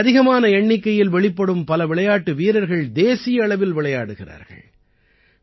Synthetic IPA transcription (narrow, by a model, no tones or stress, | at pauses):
ðɪɣɐmaːnɐɛɳːɪkːɐjɪlʋɛɭɪpːɐɽɯmpɐlɐʋɪɭɐjaːʈːɯʋiːɾɐɾɣɐɭd̪eːsɪjɐɐɭɐʋɪlʋɪɭɐjaːɽɯɣɪra̰ːɾɣɐ̰ɭ